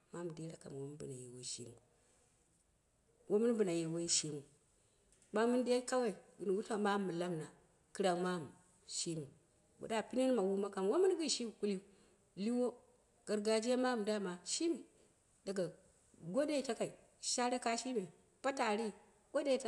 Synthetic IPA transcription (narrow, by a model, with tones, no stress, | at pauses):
ma˦m˨de˦ɾa˨ka̰˨m˨wo˦mu˦bṵ˨na˨je˨wo˨˦ʃḭ˦mu˨ | wo˦mu˦n˦bu˨na˨je˨wo˦i˦ʃi˦mu˨ | ma˦mu˦n˦de˦ka˦wa˦i˨ɡi˨n˨wu˦ta˦˨ma˦mːu˨la˦mna˨ | kɨ˦ɾa˨ŋma˦m˨ | ʃi˦mu˨ | wo̰˨da˦˨pi˦ne˦n˦ma˨wu˦ma˦ka˨nwo˦mu˦n˦ɡi˦˨ʃi˦m˨ku˦li˦ | li˦wo˦ | ɡ̥a˨ɾɡa˨d͡ʒi˦a˦ma˦m˨da˦˨ma˨ʃi˦mi˨ | da˨ɡa˨ | ɡo˦de˦˨ta˦ka˨i˨ | ʃa˦ɾa˦ka˦ʃi˦me˨ | pa˦ta˨ɾi˦ | ɡo˦de˦ta˦